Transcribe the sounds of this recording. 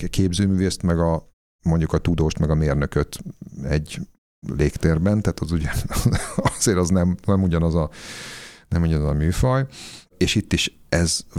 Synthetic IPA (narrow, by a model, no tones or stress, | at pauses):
kʰeːbzøːmyːveːst̪mɛɡɒ | mo̞ɲɟukɒt̪ud̪oːʃt̪mɛɡɒmeːrnøkøt̪ɛɟː | leːkt̪eːrbɛnt̪aːt̪ɒzuɟɛ | ɒz̥eːɾɒznɛmnɛmuɟɒnɒzɒ | nɛmuɟɒnɒzɒmyːfɒj | eːʃit̪ːiʃ | ɛz